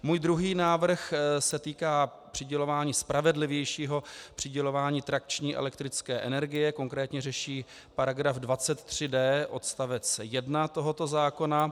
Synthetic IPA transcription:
muːjd̪ɾuɦiːnaːvr̩xsɛt̪iːkaːpr̥ɪɟɛlo̞vaːɲiːspɾʔavɛdlɪvjɛjʃiːɦo̞pr̥ɪɟɛlo̞vaːɲiːt̪ɾak̚t͡ʃɲiːʔɛ̰lɛkt̪ɾɪt͡skɛːʔɛnɛɾɡɪjɛko̞ŋkɾɛːt̪ɲɛrɛʃiː | paɾaɡɾafdvat͡sɛt̪ːr̝̥ɪdɛːʔo̞t̪st̪avɛt͡sjɛdnat̪o̞ɦo̞t̪o̞zaːko̞na

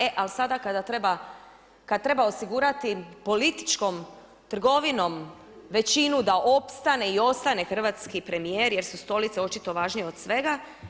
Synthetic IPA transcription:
eʔalsad̪akad̪at̪ɾeba | kad̪̚t̪ɾe̞baosiɡuːɾat̪ipo̞lit̪i̥t͡ʃko̞m | t̪r̩ɡo̞ʋino̞m | ʋe̞t͡ʃinud̪aʔo̞pst̪ane̞io̞st̪ane̞xr̩ʋat̪skipɾe̞mijeɾje̞ɾsust̪o̞lit̪seo̞t͡ʃit̪o̞ʋaːʒnijeo̞d̪sʋe̞ɡa

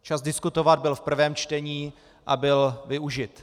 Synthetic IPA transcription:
t͡ʃazdɪskut̪o̞vad̪̚bɪlfpr̩vɛːmt͡ʃt̪ɛɲiː | ʔabɪlvɪuʒɪt̪

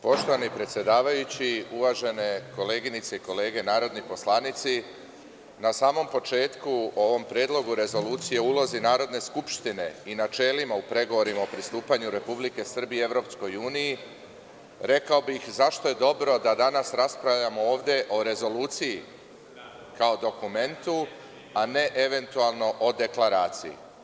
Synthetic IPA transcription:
po̞ʃt̪o̞ʋanipɾet̪sʲje̞d̪aːʋajut͡ɕiuʋaʒe̞ne̞ko̞le̞ːɡinit̪se̞iko̞le̞ːɡe̞naːɾo̞d̪nipo̞slˠaːnit̪si | nasaːmo̞mpo̞t͡ʃe̞ːt̪kuoʋo̞mpɾjeːd̪lˠo̞ɡuɾe̞zo̞luːt̪sije̞ulo̞zinaːɾo̞d̪ne̞skupʃt̪ine̞inat͡ʃe̞ːlimaupɾe̞ɡo̞ʋo̞ɾimaopɾist̪uːpaɲuɾe̞publike̞sr̩bije̞ʋɾo̞psko̞juːniji | ɾe̞kao̞bixzaʃt̪o̞je̞d̪o̞bɾo̞d̪ad̪anasɾaspɾavʎamo̞oːʋd̪e̞ʔo̞ɾe̞zo̞luːt̪siji | kaod̪o̞kume̞nt̪u | ane̞ʔe̞ʋe̞nt̪ualˠno̞ʔo̞d̪e̞klaɾaːt̪sijḭ

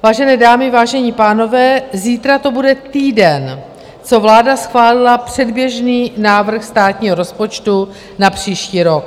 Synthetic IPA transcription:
vaːʒɛnɛːdaːmɪvaːʒɛɲiːpaːno̞vɛːziːt̪ɾat̪o̞budɛt̪iːdɛn | t͡so̞vlaːdasxvaːlɪlapr̥ɛdbjɛʒniːnaːvr̩xst̪aːt̪ɲiːɦoɾo̞spo̞t͡ʃt̪u | napr̝̥iːʃciːɾo̞k̚

